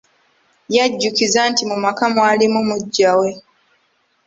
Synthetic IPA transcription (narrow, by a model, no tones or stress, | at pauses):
jaɟːukizantimumakamwaːlimumuɟːawe